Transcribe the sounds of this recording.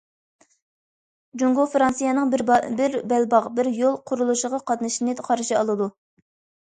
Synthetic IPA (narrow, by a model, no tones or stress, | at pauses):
d͡ʒuŋɡofɾɑnsijɑnɨŋbɪɾbɛlbɑʁbɪɾjolˠqʰʊɾulˠuʃəʁɑqʰɑt̪nɨʃinɨqʰɑɾʃiɑlˠɨd̪u